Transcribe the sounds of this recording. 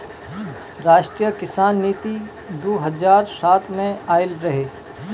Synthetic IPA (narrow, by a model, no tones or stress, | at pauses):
ɾaːʃʈɾijəkɪsaːnːiːt̪i | d̪oːɦɐzaːɾsaːt̪ʰmẽaːɪlɾɐɦeː